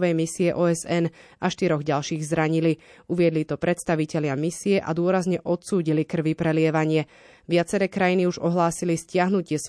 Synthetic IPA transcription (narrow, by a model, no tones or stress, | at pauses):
ʋɛjmisiɛʔɔːɛzɛn | aʃt̪iɾɔɣɟalʃiːɣzɾaɲiliuʋɪɛd̪lit̪ɔpɾɛt̪st̪aʋicɛlɪamisiɛʔa̰d̪ʊɔɾazɲɛʔɔt̪suːɟilikr̩ʋipɾɛlɪɛʋaɲɪɛ | ʋɪat͡sɛɾɛːkɾajiniuʒɔɦlaːsiliscɪaɦnucɪɛs